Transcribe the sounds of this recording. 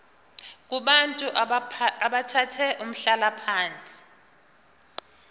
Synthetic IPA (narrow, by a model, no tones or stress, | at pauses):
k̬uɓantʼuʔaɓatʰatʰɛʔum̩ɬalapʰaːnt͡sʼi̥